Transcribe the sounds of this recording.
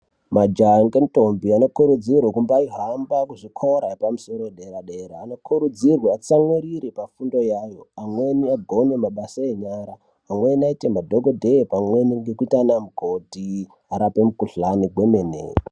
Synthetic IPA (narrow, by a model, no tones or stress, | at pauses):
mad͡ʒaŋɡento̞mbiano̞kuɾud͡zirwakumbaiɦambakuʐikʰoɾaepamuso̞ɾoeɗe̞ɾaɗeɾaːnokʰuɾud͡zirwaat͡samweɾiɾepafundo̞jajo̞amwe̞niaɡʱo̞ne̞maɓasaeɲaɾaː | mwe̞naitemadʱoɡo̞dʱeepamwe̞niŋɡekuitanamuɡʱo̞ti | aɾape̞mukuɬaniɡʱwe̞menḛːr